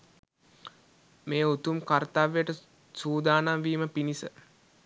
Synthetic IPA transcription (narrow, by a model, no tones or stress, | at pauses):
meːut̪umkart̪aːʋejəʈə | suːd̪aːnamʋiːməpinisə